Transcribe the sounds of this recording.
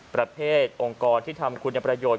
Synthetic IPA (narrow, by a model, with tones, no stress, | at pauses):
pɾa˧pʰeː˥˩t̪̚ʔo˧ŋkɔː˧nt̪ʰiː˥˩t̪ʰa˧mkʰu˧nja˧˩pɾa˧joː˨˩